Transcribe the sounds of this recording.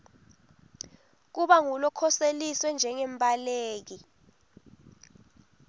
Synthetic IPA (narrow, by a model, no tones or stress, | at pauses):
k̬uɓaŋulɔkʰɔseliswɛnd͡ʒʱɛŋɛmpʼaleːk̬i